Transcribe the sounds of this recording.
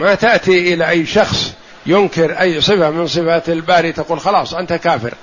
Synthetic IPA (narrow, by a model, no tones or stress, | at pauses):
mat̪aʔt̪iʔɪlaʔajːʃɑxsˤ | jʊnkɪɾʔajːsˤɨfamɪnsˤɨfalbaːɾit̪aquːlxɑlɑːsˤʔant̪akaːfɪ̰ɾ